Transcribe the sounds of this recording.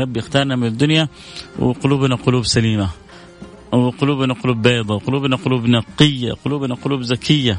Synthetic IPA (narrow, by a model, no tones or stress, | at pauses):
ɾˤɑbːjɪxt̪ɑːɾˤnamɪnɪd̪ːʊnja | wɪ̰qʊluːbnaqʊluːbsaliːma | wɪqʊluːbnaqʊluːbːeːd̪ˤɑwqʊluːbnaqʊluːbnɑqːɪjːa̰qʊluːbnaqʊluːbzakʰɪjːa